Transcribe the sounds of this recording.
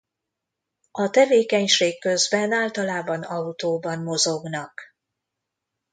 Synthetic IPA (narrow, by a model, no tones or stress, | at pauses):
ɒt̪ɛveːkɛɲʃeːkːø̞zbɛnaːlt̪ɒlaːbɒnɒut̪oːbɒnmo̞zo̞ɡnɒk